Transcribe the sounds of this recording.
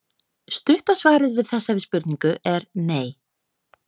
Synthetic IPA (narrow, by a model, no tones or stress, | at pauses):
st̪ʏht̪asvaːɾɪðvɪðθɛsːavɪspʏɾt̪niŋkʏʔɛɾneːj